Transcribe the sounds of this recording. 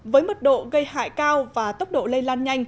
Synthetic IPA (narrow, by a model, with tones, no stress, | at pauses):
vəː˨˦jmə˨˩t̚ɗo̰˧˨ɣə˧jha̰ː˧˨jkaː˧wvaː˨˩t̪ə˦˥wk͡p̚ɗo̰˧˨lə˧jlaː˧nɲa˧jŋ̟